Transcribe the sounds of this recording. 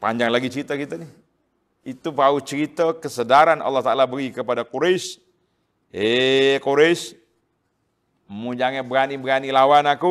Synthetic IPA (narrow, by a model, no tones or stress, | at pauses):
paɲd͡ʒaŋlaɡit͡ʃəɾit̪akit̪anɪh | it̪upaut͡ʃəɾit̪əkəsədaɾanɑ̰lːɑht̪aalabəɾikəpadakuɾeis | ekuɾeis | mud͡ʒaŋebəɾanibəɾanilawanaku